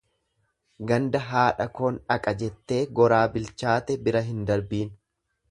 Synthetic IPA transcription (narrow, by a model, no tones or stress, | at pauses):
ɡɐnd̪ɐɦaːᶑɐkoːnᶑɐkʼɐd͡ʒɛt̪ːe̞ːɡɔɾaːbɪlt͡ʃaːt̪ɛbɪɾɐɦɪnd̪ɐɾbiːn